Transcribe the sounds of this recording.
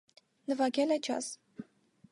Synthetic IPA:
nəvɑɡʲɛlɛt͡ʃʰɑ̰s

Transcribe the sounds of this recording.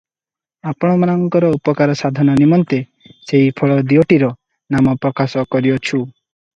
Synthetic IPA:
apɔɽ̃ɔmanɔŋkɔɾɔupɔkaɾɔsad̪ʱɔnɔnimɔnt̪e | seipʰɔɭɔd̪ioʈiɾɔ | namɔpɾɔkasɔkɔɾiɔt͡ʃʰu

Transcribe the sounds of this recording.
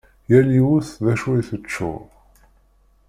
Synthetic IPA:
jæliwuθðæʃuiθət͡ʃːʊ̰

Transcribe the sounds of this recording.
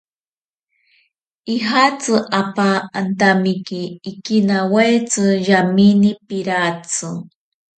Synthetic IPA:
iɦat͡sɨʔapaːnt̪amikiːkinawajt͡sɨʒaminipiɾat͡sɨ

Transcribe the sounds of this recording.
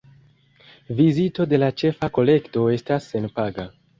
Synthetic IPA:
vizito̞de̞lat͡ʃe̞fako̞le̞kto̞e̞stasːe̞npaɡa

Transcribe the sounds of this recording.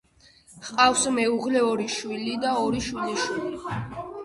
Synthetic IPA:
χqʼafsmɛuʁlɛɔɾiʃwilid̪aɔɾiʃwiliʃwili

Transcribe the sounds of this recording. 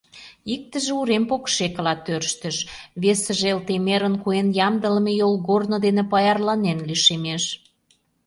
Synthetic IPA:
ik̚t̪ə̆ʒĕuɾempokʃekə̆lɑt̪ørʃt̪ə̆ʃβesə̆ʒelt̪emeɾə̆nkuenjɑmd̪ə̆lə̆mejolɣornod̪enĕpɑjɑrlɑnenliʃemeʃ

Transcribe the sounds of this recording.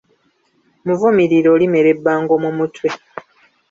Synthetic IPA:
muvumiɾiɾoːlime̞ɾe̞bːaːŋɡomumutwe

